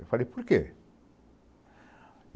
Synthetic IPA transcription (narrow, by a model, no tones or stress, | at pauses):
falipuɾkḛ